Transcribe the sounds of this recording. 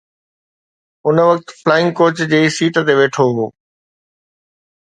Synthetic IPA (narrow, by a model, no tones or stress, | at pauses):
ʊnʋɐk̚t̪flaːɪ̃ŋɡkoːt͡ɕd͡ʑeːsiːʈt̪eʋeːʈʰoɦoː